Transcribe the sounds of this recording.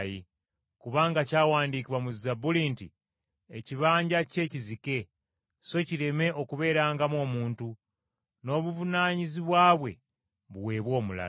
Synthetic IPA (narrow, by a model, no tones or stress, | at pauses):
ji | kuβaːŋɡacaːwaːndikiβwamuzizabuliːntḭ | eciβaːɲɟace̞ːcizike̞ | so̞ciɾe̞me̞ʔo̞kuβe̞ːɾaːŋɡamo̞ːmuːntu | no̞ːβuvunaːɲiziβwaːβwe̞̰ | βuwe̞ːβwo̞ːmula̰